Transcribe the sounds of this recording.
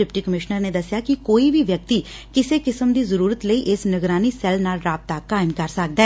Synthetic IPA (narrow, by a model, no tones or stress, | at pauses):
ɖɪpʈiːkəmɪʃnəɾneːd̪əsjaːkɪkoːiːbʱiːʋjək̚t̪iː | kɪseːkɪsəmd̪iːzəɾuːɾət̪ləiːʔɪsnəɡɾaːniːsɛlnaːlɾaːb̚t̪aːkaːɪmkəɾsək̚d̪aɛ